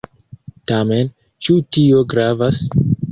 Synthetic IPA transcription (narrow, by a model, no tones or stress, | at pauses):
tame̞n | t͡ʃutio̞ɡɾavas